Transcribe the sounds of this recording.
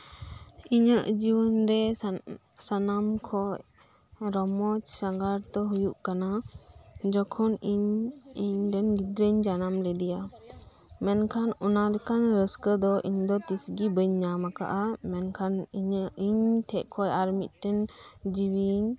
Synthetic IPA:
iɲəʔd͡ʒiwənɾɛ | sanamkʰɔʔ | ɾɔmɔt͡ʃsaŋɡaɾt̪ɔɦujuʔkana | d͡ʒɔkʰɔniɲiɲɖɛnɡid̪ɾəɲd͡ʒanamlɛd̪ija | mɛnkʰanɔnalɛkanɾəskəd̪ɔʔḭɲd̪ɔt̪isɡibəɲɲamaka̰ʔamɛnkʰaniɲəʔiɲʈʰɛʔkʰɔjaɾmit̪̚ʈɛnd͡ʒiwiɲ

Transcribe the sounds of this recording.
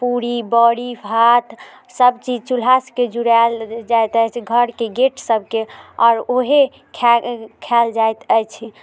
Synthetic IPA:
puɾibəɽibɦat̪ | səbt͡ʃid͡ʒt͡ʃul̤asked͡ʒuɾald͡ʒajt̪əjt͡ʃʰɡʱəɾkeɡeʈʰsəb̚ʱkeɔ̰ːɾoɦe | kʰɛkʰɛld͡ʒajt̪əjt͡ʃʰ

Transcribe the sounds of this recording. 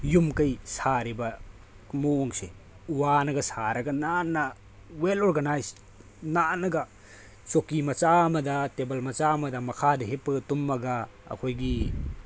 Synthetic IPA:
jumkɐjsaɾibɐ | moːŋsḛ | uwanɐɡɐsaɾɐɡɐnanːɐ | weloɾɡɐnajs | nanɐɡɐ | t͡ʃokimɐt͡ʃamɐdɐtebɐlmɐt͡ʃamɐdɐmɐkʰadɐɦepːɐɡɐtumːɐɡɐ | ɐ̰kʰojɡi

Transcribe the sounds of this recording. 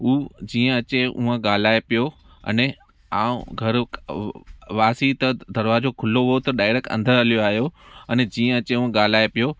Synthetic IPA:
uːd͡ʑiːə̃ɐt͡ɕeṵə̃ɠaːl̤aːepijo | ɐ̰ne | aːṵ̃ɡʱɐɾ | ʋaːsit̪ɐd̪ʱɐɾʋaːd͡ʑokʰʊloɦʊjot̪ɐɗaːɪɽəkʰə̰̃nd̪ʱəɾɐlijoaːɦjoɐnɛd͡ʑiːə̃ɐt͡ɕeũə̃ɠaːl̤aːepijo

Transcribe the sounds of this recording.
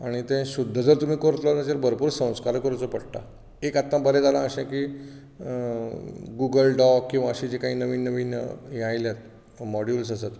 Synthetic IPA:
aɽ̃it̪ẽɕud̪ʱːəd͡z̪əɾt̪um̤iːkoɾt̪lɔt̪at͡ɕeɾbəɾpuːɾsə̃w̃skaɾkəɾut͡sopəɽʈa̰ | ekat̪ːãbəled͡zalãəɕẽkiː | ɡuɡəlɖɔkkːĩw̃ʋaəɕid͡ʑekãɦiːnəʋiːnːəʋiːn̰jajljat̪ | mɔɽjuls̬asat̪

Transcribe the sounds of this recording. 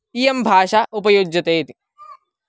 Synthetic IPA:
iːjembʱaːʂaʔupɐjod͡ʒjɐt̪eːt̪i̥

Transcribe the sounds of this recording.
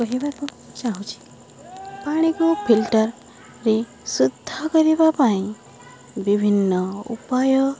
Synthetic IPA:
kɔɦibaɾk̪u | t͡ʃaɦũt͡ʃʰi̥ | paɽ̃ikopʰilʈəɾ | ɾi | sud̪ʱːakɔɾibapaĩ | bibʱinːɔṵpajɔ

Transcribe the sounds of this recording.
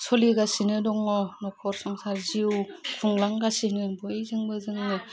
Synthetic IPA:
sɔliɡasinɯdɔŋɔnɔkʰɔɾsɔŋsaɾziwpʰuŋlaŋɡasinɯbɯjzɯŋbɯzɯŋnɯ

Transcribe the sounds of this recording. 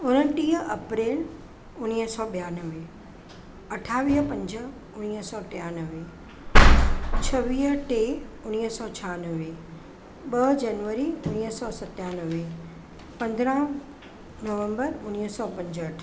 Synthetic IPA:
ʊnəʈiːɦəɐpɾeːl | ʊniːəsɔːɓjaːnəʋe | ɐʈʰaːʋiːɦpɐ̃ɲd͡ʑə | ʊñiɦəsɔːʈijanəʋe | t͡ɕʰɐʋiːɦəʈeʊniɦsɔːt͡ɕʰaːnəʋe | ɓəd͡ʑɐnʋəɾiʊniːɦsɔːsɐt̪jaːnəʋe | pɐ̃nd̪ɾə̃ | nɐʋə̃mbəɾʊniɦsɔːpɐ̃ɲd͡ʑəəʈʰ

